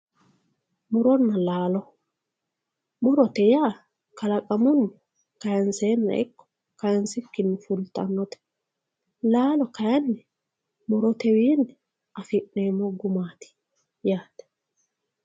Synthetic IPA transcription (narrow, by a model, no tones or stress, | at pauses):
mʊɾɔnːɐlaːlɔ | mʊɾɔt̪ɛjaː | kɐlɐkʼɐmʊnːʊ | kɐjɐnseːnːɐ̰ʔɪ̰kːɔ̥ | kɐjnsɪkːɪnːʊfʊlt̪ʼːɐ̰nːɔt̪ɛ̥ | laːlɔkɐjɐnːɛ | mʊɾɔt̪ɛwiːnɛ | ʔɐfɪʔneːmːɔɡʊmaːt̪ɪ̥ | jaːt̪ɛ̥